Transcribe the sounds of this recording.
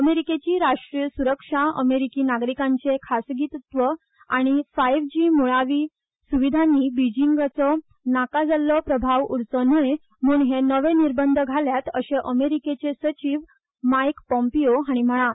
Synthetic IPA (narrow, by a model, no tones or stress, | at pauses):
əmeɾiket͡ɕiːɾaʂʈɾijəsuɾəkʂaə̰meɾikiːnaɡɾikãɲt͡sekʰasɡit̪t̪ʋə | aɽ̃ifajʋd͡ʑiːmuɭaʋiː | suʋid̪ʱanːiːbid͡ʑiŋɡat͡sɔ | nakad͡zalɔpɾəbʱaʋuɾt͡sɔnuɭe | m̤uːɳɦenəʋeniɾbənd̪ʱɡʱaljat̪əɕeʔəmeɾiket͡sesət͡ɕiːʋ | majkpɔ̃mpijoɦaɽ̃im̤əɭ̃a